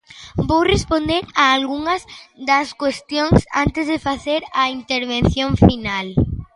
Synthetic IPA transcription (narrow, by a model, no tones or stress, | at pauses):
bowrespond̪eɾaːlɣuŋɐzd̪ɐskwest̪jõŋsa̰nt̪ɪzðefaθeɾɐint̪eɾβẽnθjõɱfinal